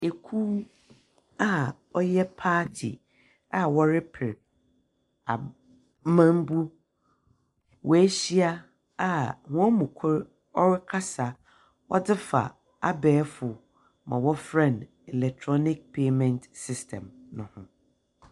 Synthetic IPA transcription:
e˨kʰu˦ | a˦ | ɔ˦jɛ˦pʰaː˦tʰḭ˨ | a˨wɔ˦ɾɪ˦pʰɪ˨ɾ | a̰˨ | mã˦m˦bu˦ | wɔ˨æ˦ɕi˦a˦ | a˦˨hɔ̃˦mũ˨kʰʊ˦ɾ | ɔ˦ɾɪ˦kʰa˦sa˨ | wɔ˦dɪ˦fa̰˨ | a˦bɛː˨˦fʊ˨ | mã̰˨wɔ˦fɾã˦˨n | ɛ˨lɛ˨k̚tʰɾɔ˦nɪ˦k̚pʰe˦mɛ̃˨ntsɪ˦stʰɛ̰̃˨mnʊ̃˨hʊ̃˦

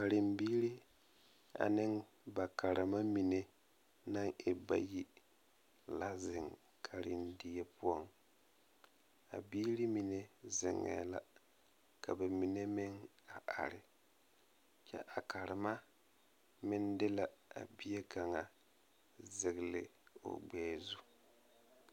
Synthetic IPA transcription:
ka˨ɾɪ˨mbiː˦ɾi˦ | a̰˨nɪ˦ŋ | ba˨ka˨ɾɪ˨ma˦mi˨ne˦ | na˦ŋe˨ba̰˦ji˦ | la˦zɪ˨ŋ | kʰa˨ɾɪ˨ndi˦je˦pʊ˦ɔ˦ŋ | a̰˨biː˦ɾi˦mi˨ne˦zɪ̰˨ŋːɛ̰˨la̰˦ | ka˨ba˨mi˨ne˦mɪ˦ŋ | a˨ʔa̰˨ɾɪ˦ | t͡ʃɛ̰˦ʔa˨ka˨ɾɪ˨ma˦ | mɪ˦ndɪ˦la˨a̰˨bi˦je˦ka˨ŋa˨ | zɪ˨ɣɪ˨lɪ˨o̰˨ɡ͡bɛː˨˦˨zu˦

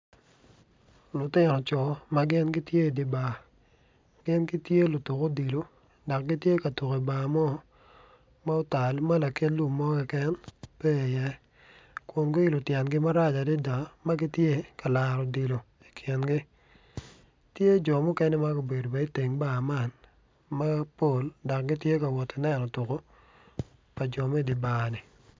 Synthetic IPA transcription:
lʊ˨tɪ˦nɔ˨t͡ʃɔ˨ma˦ɡɪ˦nɡɪ˦tje˦˨dɪ˨ba˨ | ɡ̥ɪ˦nkɪ˦tje˦lʊ˨tu˨ko˦di˨lo˨ | da˨k̚ɡɪ˦tje˦ka˨tu˨ke˨i˨ba˨mɔ˦ | ma˦ɔ˦ta˨lma˦la˨ke˦tlu˦mːɔ˦kɪ˨kɛ˦npɛ˦˨jɛ˦ | kwo˨ŋɡo˦i˦lo˨tjɛ˨nɡɪ˦ma˦ɾa˦d͡ʒa˨dɪ˦da˨ma˦ɡɪ˦tje˦ka˨la˨ɾɔ˨di˨lo˨ | i̥˨kʰɪ˨nɡɪ˦ | tje˦d͡ʒɔ˨mʊ˦kɛ˦nɛ˦ma˦ɡo˨be˨do˨bɛ˨˦i˦te˨ŋba˨ma˦˨n | ma˦po˨lda˨k̚ɡɪ˦tje˦ka˨wɔ˨ti˨nɛ˦˨nɔ˨tu˨ko˦ | pa˨d͡ʒɔ˨mɛ˦di˨baː˨ni˨

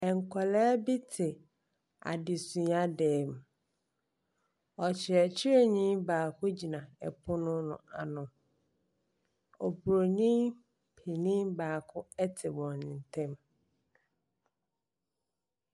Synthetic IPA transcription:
ɛ˨ŋ˨kʰɔ˨lɛː˦bi˦tʰɪ˨ | a̰˨dɪ˨sũ˨˦a˦dɛː˨m˨ | ɔ˨t͡ɕʰɪ˨ɛ˨t͡ɕʰɪ˦ɾe˦˨ɲĩ˦baː˨kʰʊ˦d͡ʑi˨nã˨ɛ̰˨pʰʊ˦nʊ̃˦nʊ̰̃˨a˨nʊ̃˨ | ɔ˨bu˨ɾo˨nĩ˦m | pʰi˨nĩ˦baː˨kʰʊ˦ɛ˦tʰɪ˨wɔ̃˨nɪ̃˨n˨tʰɛ̃˦m

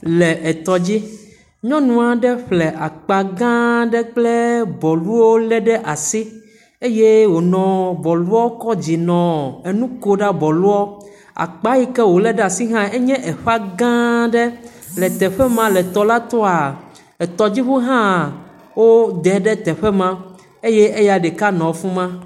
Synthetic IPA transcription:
lɛ˨ʔɛ˨t̪ɔ˨d͡ʑi˦ | ɲɔ̃˦nũ˦a˨ɖɛ˦ɸlɛ˨ʔa˨k͡pa˨ɡã˦ɖɛ˦k͡ple˦bɔ˨lu˦wo˦lɛ˦ɖɛ˦ʔa˨si˦ | e˦je˦wo˨nɔ̃˨bɔ˨lu˦ɔ˦kɔ˦d͡ʑi˨nɔ̃˨e˨nũ˦ko˦ɖa˦bɔ˨lu˦ɔ˦ | a̰˨k͡pa˦ji˦kɛ˦wo˨lɛ˦ɖɛ˦a˨si˦ɦã˦e˦ɲɛ̃˦ʔɛ˨ɸa˦ɡã˦ɖɛ˦ | lɛ˨t̪ɛ˨ɸɛ˦mã˨lɛ˨t̪ɔ˦la˦t̪ɔ˦a˨ | ɛ˨t̪ɔ˨d͡ʑi˦ɸu˦ɦã˦ | wo˦d̪ɛ˨ɖɛ˦t̪ɛ˨ɸɛ˦mã˦ | e˦jɛ˦e˦ja˨ɖɛ˨ka˦nɔ̃˨fũ˦mã˦

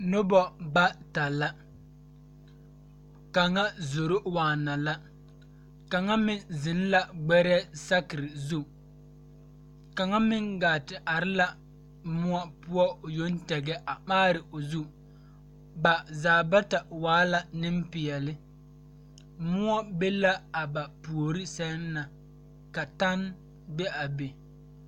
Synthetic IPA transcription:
nʊ˦bɔ˦ɡ͡ba˦ta˨la˦ | ka˨ŋa˦zo˨ɾo˦waː˨na˨la˦ | ka˨ŋa˦mɪ˨nzɪ˨n˦la˨ɡ͡bɛ˦ɾɛː˦sa˦kɪ˨ɾɪ˨zu˦˨ | ka˨ŋa˦mɪ˦ŋɡaː˨tɪ˨ʔa˨ɾɪ˦la˨ | mʊ˦ɔ˦pʊ˦ɔ˦o˨jo˦n˦tɛ˨ɡɛ˦ʔa˨maː˦ɾɪ˨o˨zu˦ | ba˨zaː˨ba˦ta˨waː˨˦la˨nɪ˦m˦pɪ˨ɛ˨lɪ˦ | mʊ˦ɔ˦be˦la˦a˨ba˨pu˨o˨ɾi˦sɛ˦nː˦a˨ | ka˨ta˦n | be˦a˨be˨

